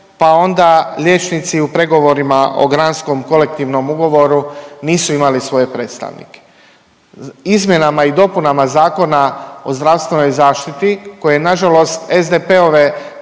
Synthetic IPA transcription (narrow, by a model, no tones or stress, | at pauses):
pao̞nd̪alʲjeːt͡ʃnit̪siupɾe̞ɡo̞ʋo̞ɾimaʔo̞̰ɡɾansko̞mko̞le̞k̚t̪iʋno̞muɡo̞ʋo̞ɾuniːsuimalisʋo̞je̞pɾeːt̪st̪a̰ʋnḭke̥ | izmʲje̞namaid̪o̞punamazaːko̞nao̞zd̪ɾaʋst̪ʋe̞no̞jzaːʃt̪it̪iko̞je̞naʒalo̞st̪ezd̪epe̞o̞ʋe̞